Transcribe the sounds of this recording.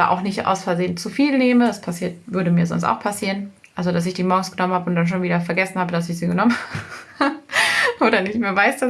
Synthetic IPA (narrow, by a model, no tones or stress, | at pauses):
a̰ːʔa̰ʊxnɪçtʔa̰ʊsfɛɐzeːənt͡sufiːlneːmədaspʰasiːɐtvʏɐɾəmiːɐzɔ̰nsta̰ʊxpʰasiːʁən | ʔalzodas̬ɪçd̥iːmɔɐɡŋ̩sɡ̥ənɔmənhaːbəʊnt̚d̥anʃ̬oːnviːdɐfɛɐɡɛsn̩haːbədasɪçz̥iːɡənɔmənhaːb | ʔoːɾɐnɪçtmeːɐvaɪsd̥as